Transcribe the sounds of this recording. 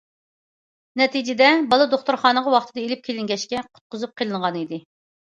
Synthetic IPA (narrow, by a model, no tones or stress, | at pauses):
nɛt̪ʰid͡ʒɪd̪ɛbɑlˠɨd̪oχt̪uɾχɑːnəʁɑwɑχt̪ʰɨd̪ɑelɪp̚kʲʰelɪŋɡʲɛʃkʲɛqʰʊ̥t̪̚qʰʊzup̚qʰəlˠɨɴʁɑnid̪ɨ